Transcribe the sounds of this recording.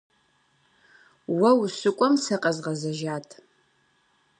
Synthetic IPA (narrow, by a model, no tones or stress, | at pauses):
wɐwsɨkʷʼɔmsɐqʼɐzʁɐzɐʒaːtʰ